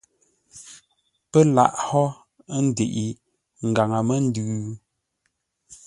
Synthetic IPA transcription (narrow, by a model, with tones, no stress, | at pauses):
pə˦la̰˦˨ʔhɔ˦ | n̩˦de˨ʔi˨ | ŋ̩˨ɡa˨ŋa˨mə˦n̩˦dʉ˨˦